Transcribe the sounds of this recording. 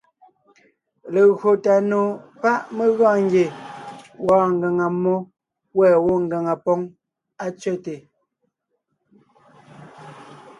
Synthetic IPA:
le˨ɣɰo˨ta˨no˨pa˦ʔme˦ɣɔ̃ː˦˨ŋ˦ɡje˨ | wɔː˨˦ŋ˨ɡɛ˨ŋa˨mːɔ˦ | wɛː˨wo˦ŋ̩˨ɡa˨ŋa˨pɔ˦ŋ | a˦t͡ʃɥɛ˦˨te˨

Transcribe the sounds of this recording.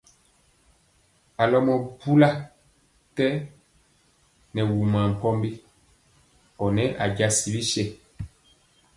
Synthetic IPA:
a˨lɔ˦mɔ˨bu˦la˦ | tɛ˦ | nɛ˨wu˨ma˨m̩˨pɔ˦mbi˦ | ɔ˨nɛ˨˦ʔa˨ɟa˦si˨˦li˦ʃɛ˨

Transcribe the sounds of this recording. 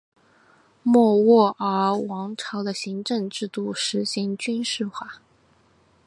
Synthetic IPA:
mwɔ˥˧wɔ˥˩ə˞˧˥wɑ˧˥ŋʈ͡ʂʰɑ˧˥ʊd̪ə˧ɕi˧˥ŋʈ͡ʂɤ˥˧ŋʈ͡ʂɻ̩˥˧t̪u˥˩ʂɻ̩˧˥ɕi˧˥ŋt͡ɕy˥nʂɻ̩˥˧xwa˥˩

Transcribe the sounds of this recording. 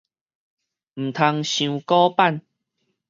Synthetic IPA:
m̩˨˩t̪ʰa˧ŋɕũ˧kɔ˦pa˥˨n

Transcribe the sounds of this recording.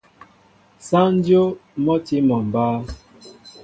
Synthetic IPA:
sa˦n̩˦djo˦mɔ˦ti˦mɔ˨m˨ba˦

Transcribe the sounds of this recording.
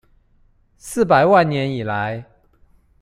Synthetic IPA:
sɹ̩˥˩pa˨˩ɪwa˥˨nnjɛ˨˦ni˨˩la˨˦ɪ

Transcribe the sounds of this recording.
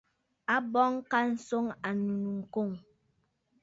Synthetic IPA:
a˦bɔ˦ŋka˦n̩˨so˦ŋa˨nu˨nu˨ŋ̩˨ko˦˨ŋ

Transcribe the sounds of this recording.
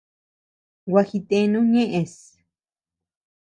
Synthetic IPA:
wa˧xi˧t̪e˦nũ˦ɲẽ˦ʔe˨s

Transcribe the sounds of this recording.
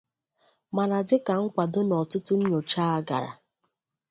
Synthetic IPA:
ma˨na˨dɪ˦ka˨ŋ̩˦kʷa˨dʊ˦nɔ˨tʊ˦tʊ˦n̩˦ɲo˨t͡ʃa˦a˦ɡa̰˨ɾa̰˨

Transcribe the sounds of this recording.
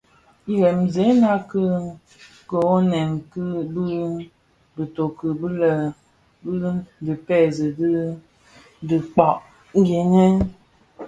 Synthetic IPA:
i˦ɾɛ˨m̩˨ze˨˦na˦kɨ˦ | kə˨o˦nɛ˨mkɨ˦bɨ˦ | bɨ˨to˨kɨ˨bɨ˦lə˨ | bɨ˦dɨ˨pɛ˦˨zɨ˨di˦ | dɨ˨k͡pɔ˨ʔ | ŋ̩˦ɡe˨˦nɛ˦

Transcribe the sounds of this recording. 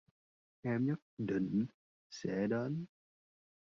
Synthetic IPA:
ʔɛ˧mɲə˦˥t̚ɗḭ̈˧˨ŋ̟ | sɛ̰˧˥ɗe˨˦n

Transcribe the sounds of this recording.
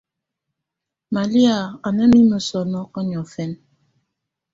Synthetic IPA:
ma˨li˦a˨a˨nə˦mi˦mə˨sɔ˨nɔ˦kɔ˦ɲɔ˨fɛ˦n

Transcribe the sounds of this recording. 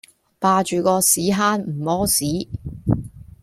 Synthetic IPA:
paː˨˧t͡ʃyː˨kɔː˧siː˨˥ɦaː˥nm̩˨˩mɔː˥siː˨˥

